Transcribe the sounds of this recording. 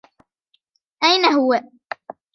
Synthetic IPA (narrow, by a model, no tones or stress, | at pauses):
ʔajnaɦʊwa